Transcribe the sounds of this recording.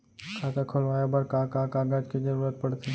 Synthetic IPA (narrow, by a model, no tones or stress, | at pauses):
kʰaːkakʰʊlʋaːjabəɾkakãkaːɡad͡ʒkid͡ʒɐɾuːɾət̪̚pɐɽt̪ʰi